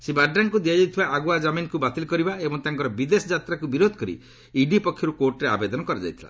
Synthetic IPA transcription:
sebaɾɖaŋkud̪iad͡ʒajt̪ʰibaʔːɡuad͡ʒaminkubat̪ilkɔɾibaebɔŋt̪aŋkɔɾɔbid̪esɔd͡ʒat̪ɾakubiɾod̪ʱɔ̥kɔɾḭ | iɖipɔkʰːjɔɾukoɾʈɾea̰bed̪ɔnɔkɔɾad͡ʒa̰jt̪ʰila̰

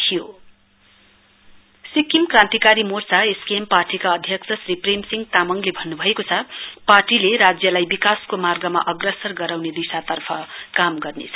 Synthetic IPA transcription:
t̪ʰijo | sikimkrãnt̪ikaɾimort͡saeskemparʈikaʌd̪ʱjʌksʰʌsripremsiŋɡt̪amʌŋlebʱʌnːubʱʌekot͡sʰʌparʈileɾad͡zjʌlajbikaskomarɡʌma̰ʔʌɡrʌsʌrɡʌɾawned̪isat̪ʌrpʰʌkamɡʌrnḛt͡sʰʌ

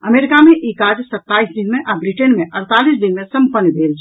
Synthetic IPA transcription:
əmeːɾɪkamẽʔeːkaːd͡ʒsət̪ːaːisd̪ɪnmẽʔabɾiʈenmẽʔəɾt̪aːlis̬d̪ɪnmẽsə̃mpənːbʱeːlt͡ʃʰ

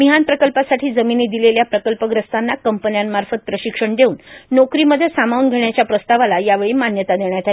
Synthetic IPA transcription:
miɦanpɾəkəlpasaʈʰiːd͡zəminiːd̪ileljapɾəkəlpəɡɾəst̪anːakəmpənjamːaɾfət̪̚pɾəɕikʂəɳd̪euːnːokɾiːməd̪ʱjesamaunɡʱeɳjat͡ɕjapɾəst̪aʋalajaʋeɭiːmanjət̪ad̪eɳjat̪al

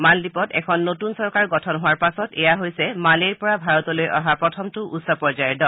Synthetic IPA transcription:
maldipɔtɛ̰kʰɔnːotunsɔɹkaɹɡɔtʰɔnɦʊwaɹpasɔtɛjaɦojsɛmaleɹpɔɹabʱaɹɔtɔlojʔa̰ɦapɹɔtʰɔmtʊʔusɔpɔɹzajɛdɔl

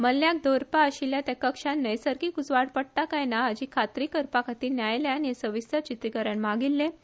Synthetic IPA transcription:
məlːjak̚d̪oɾpaəɕiljat̪jakəkʂannːəjsəɾkiːkut͡sʋaɽpəɽt̪akajnaːd͡ʑiːkʰat̪ɾikəɾpakʰat̪iːnjajljeaniesəʋisət͡ɕit̪ɾikəɾjəɳmaɡilːe

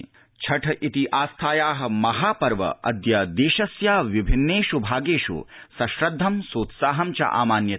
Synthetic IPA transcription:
t͡ʃʰɐʈʰɐʔit̪iʔaːst̪ʰaːjaːɦɐ̆mɐɦaːpɐɾʋɐ̰ʔɐ̰d̪jɐd̪eːʃɐsjaːʋibʱinːeːʃubʱaːɡeːʃṵsɐʃɾɐd̪ʱːɐmsoːt̪saːɦɐmt͡ʃɐ̰ʔa̰ːmaːnjɐ

